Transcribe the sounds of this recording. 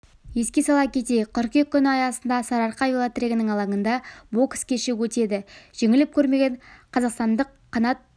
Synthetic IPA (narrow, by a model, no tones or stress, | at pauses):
je̞skʲe̞sɑlˠɑkʲʰe̞t̪e̞qʲʰʏɾqekʲːʏnɪɑjɑsənd̪ɑsɑɾɑɾqɑvʲilˠat̪ɾʲeɡʲɪnɪŋɑlˠɑŋənd̪ɑbo̞kskʲʰeʃɪwɵt̪e̞d̪ɪʒ̥eŋɪlɪp̚kʲʰɵɾme̞ɡʲe̞ɴqʰɑzɑqst̪ɑnd̪əqʰːɑnɑt̪̚